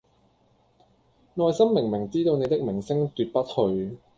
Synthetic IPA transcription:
ŋɔː˧jsɐ˥mːɪ˨˩ŋmɪ˨˩ŋt͡siː˥t̪o˧wne˨˧jt̪ɪ˥k̚mɪ˨˩ŋsɪ˥ŋt̪yː˨t̚pɐ˥t̚hɵ˧ɥ

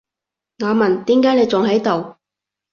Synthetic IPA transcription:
ŋaː˨˧mɐ˨˩nt̪iː˨˥mkaː˨˥jne˨˧jt͡sʊ˨ŋɦɐ˨˥jt̪o˨w

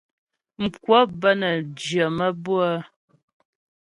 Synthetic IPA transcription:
ŋ̩˨kwɔ˦bə˦nə˨d͡ʒə˨mə˦bu˦ə˦

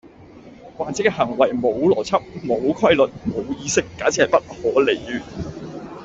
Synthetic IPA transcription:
waː˨˩t͡sɛː˨˥kɛː˧ɦɐ˨˩ŋwɐ˨˩jmo˨˧wlɔː˨˩t͡sʰɐ˥p̚mo˨˧wkʰwɐ˥jlɵ˨t̚mo˨˧wjiː˧sɪ˥kːaː˨˥t͡sʰiː˨˥hɐ˨jpɐ˥t̚hɔː˨˥le˨˩jjyː˨˩

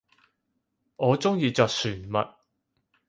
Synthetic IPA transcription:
ŋɔː˨˧t͡sʊ˥ŋjiː˧t͡sɔː˨k̚syː˨˩nmɐ̰˨t̚

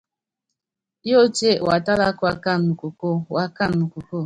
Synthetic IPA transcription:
jo˦t͡ʃe˦˨wa˨ta˦la˦ko˦a˨ka˦˨nː˨u˨ko˨ko˦wa˨ka˦˨nː˨u˨ku˨ko˦˨

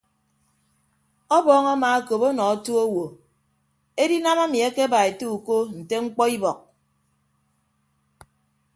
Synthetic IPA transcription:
ɔ˦bɔː˦ŋa˦maː˨a˦ko˨pɔ˦nɔ˨a˦tu˦o˦wo˨ | e˦di˦na˦ma˦mi˨e˦ke˦ba˨e˨tu˦u˨ko˦n̩˨te˦ŋ͡m̩˦k͡pɔ˦i˦bɔ˨k̚

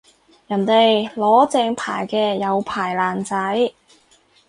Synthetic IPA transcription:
jɐ˨˩nt̪e˨jlɔː˨˥t͡sɛː˧ŋpʰa̰ː˨˩jkɛː˧jɐ˨˧wpʰaː˨˩jlaː˨˩nt͡sɐ˨˥j

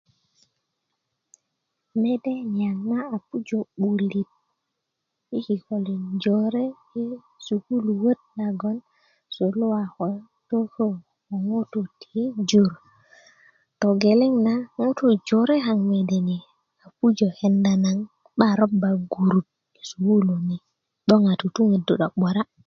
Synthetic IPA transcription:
me˦de˦ɲa˨ŋna˦a˨pu˦d͡ʒo˨ɓu˨li˨t̚ | i˦ki˨ko˨li˨nd͡ʒo˨ɾe˦ | i˦ | su˨ku˦lu˨wə˦t̚la˨ɡo˦n | so˨lu˦wa˨xo˨ | to˦ko˦˨ | o˨ŋo˦to˨tid͡ʒuɾ | to˨ɡe˨le˦ŋnaŋo˦to˨d͡ʒoɾe˦ɦa˨ŋme˨de˨ni˨ | a˨pu˦d͡ʒo˨hɛ˨nda˨na˨ŋ | ɓaɾo˦ba˨ɡu˨ɾu˨t̚ | su˨hu˦lo˨ni˨ | ɗo˦ŋa˨tu˨tu˦ŋe˨du˨ɗa˨ɓo˨ɾa˦

